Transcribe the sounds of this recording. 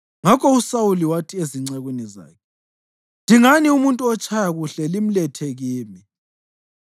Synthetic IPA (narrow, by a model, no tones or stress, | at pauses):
ŋakʰɔusauliwatʰieziŋ͡ǀaɣweniza̰ːkʰɛ | ndʱiŋaniumuntʼuɔt͡ʃʰʼajaɣuɬɛlim̩lɛtʰeɣiːmi